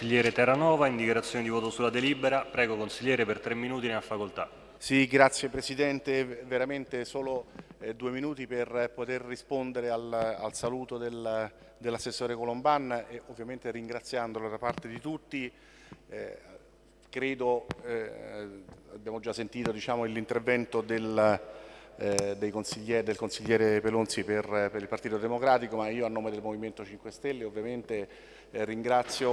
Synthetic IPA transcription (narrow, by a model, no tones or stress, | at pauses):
iʎjɛːɾet̪ɛranɔːvaind̪ikjeɾat̪sːjoːned̪ivɔːt̪osulːad̪eliːbeɾapɾɛːɡokonsiʎjɛːɾepert̪ɾemːinuːt̪ineafːakolt̪a | siɡɾat̪sːjepɾesid̪ɛnt̪eveɾament̪esoːlod̪ueminuːt̪iperpot̪erːispond̪eɾeala̰lsaluːt̪od̪el | d̪elːasːesːoːɾekolombanːeovːjament̪eriŋɡɾat̪sːjand̪olod̪apart̪ed̪it̪ut̪ːi | kɾeːd̪o | abjaːmod͡ʒasːent̪iːt̪od̪it͡ʃaːmoilːint̪ervɛnt̪od̪el | d̪ejkonsiʎːɛːɾd̪elkonsiʎːɛːɾepelonsiperpeɾilpart̪iːt̪od̪emokɾaːt̪ikomaiːoanːoːmed̪elmoviment̪ot͡ʃiŋkwest̪ɛlːeovːjament̪e | riŋɡɾat̪sːjo